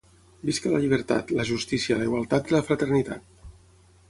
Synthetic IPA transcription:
biskələʎiβ̞əɾt̪a̰t̪ləʒust̪isiələiɣwalˠt̪at̪iləfɾət̪ərnit̪a̰t̪̚

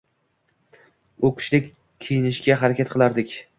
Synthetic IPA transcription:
ʊkʰʲɪ̥ʃlɪkʲ | kʲʰijɪnɪʃɡʲaɦaɾakʲat̪̚qʰɨlˠaɾd̪ɪkʲ

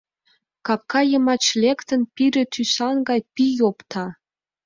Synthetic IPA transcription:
kɑp̚kɑjəmɑt͡ɕlekt̪ənpiɾĕt̪ʰysɑnɡɑjpijopt̪ʰɑ

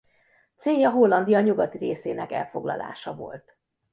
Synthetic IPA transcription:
t̪seːjːɒɦo̞lːɒnd̪ijɒɲuɡɒt̪ireːseːnɛkɛlfo̞ɡlɒ̰la̰ːʃɒvo̞̰lt̪

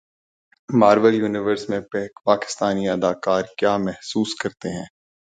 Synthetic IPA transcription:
maːɾʋəljuːnɪʋəɾsmẽpːpaːkɪ̥st̪aːniɐd̪aːkaːɾkjaːmɛɦsuːskɐɾt̪eɦɛ̰̃ː

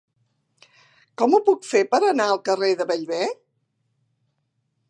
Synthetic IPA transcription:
kɔmupukfepəɾənaəlˠkəreðəβəʎβɛ

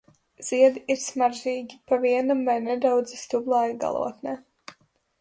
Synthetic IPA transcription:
z̥iɛd̪iʔiɾsmaɾʒiːɡʲipaviɛnamvajnɛd̪awd̪zist̪ublˠaːjiɡa̰lˠṵɔt̪nɛ

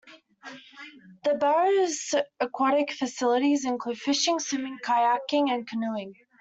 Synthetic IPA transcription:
ðəbɛɹəzəkʰw̥ɑɾɪkfəsɪlˠəɾizɪ̃nkʰl̥ʉd̥fɪʃɪ̃ŋsɪmɪ̃ŋkʰaɪækɪ̃ŋɨ̃nkʰənɪlˠɪ̃ŋ

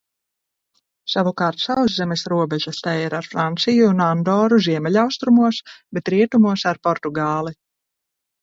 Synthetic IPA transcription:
savukaːɾt̪sawzzɛmɛsɾuɔbɛʒast̪ajiɾaɾfɾant̪sijuːnand̪ɔːɾuziɛmɛlawst̪ɾumuɔsbɛt̪ɾiɛt̪umuɔsaɾpɔɾt̪uɡaːlˠi

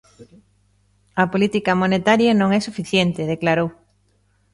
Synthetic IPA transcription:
ɐpolit̪ikɐmonet̪aɾjɐnõŋɛsufiθjɛnt̪ɪð̞eklaɾow

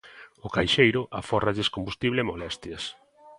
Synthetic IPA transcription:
ʊkajʃejɾʊʔaforaʎeskombust̪iβlɪemolɛst̪jɐs

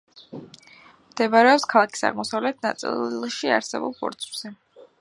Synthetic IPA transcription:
md̪̥ɛbaɾɛɔpskʰalˠakʰi̥sa̰ʁmɔsavlɛt̪̚ʰnat̪sʼḭlʃia̰ɾsɛ̰bṵlˠpʰɔ̰ɾt̪sʰz̥ɛ

